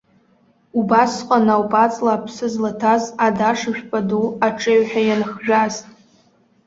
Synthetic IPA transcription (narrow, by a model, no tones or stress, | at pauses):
ubasqʼanawpʼat͡sʼlaːpʰsɨzlatʰazadaʂɨʃᶣpʼaduaʈ͡ʂʼeɥħᶣajanχʒᶣaztʼ